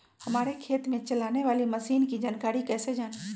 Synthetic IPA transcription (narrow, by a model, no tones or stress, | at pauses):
hɐmaːɾekʰeːt̪mẽt͡ʃɐlaːneʋaːliməsiːnkid͡ʒaːnkaːɾikɛːsed͡ʒaːn